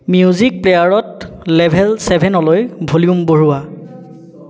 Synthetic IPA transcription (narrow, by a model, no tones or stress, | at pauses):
miuzik̚plejaɹɔtlɛbʱɛlsɛbʱɛnɔlɔjbʱoliumboɹuwa